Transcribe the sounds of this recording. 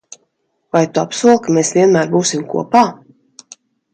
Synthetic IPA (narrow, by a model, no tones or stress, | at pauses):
vajt̪uapsuɔlˠkameːsvʲiɛnmæːɾbuːsimkṵɔpaː